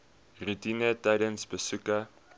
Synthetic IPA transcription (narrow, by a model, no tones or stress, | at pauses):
rutinətaɾənsbəsukə